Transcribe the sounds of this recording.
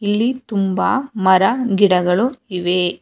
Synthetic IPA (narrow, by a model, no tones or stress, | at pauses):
ilːit̪umbaːmɐɾɐɡiɽɐɡɐɭuiʋeː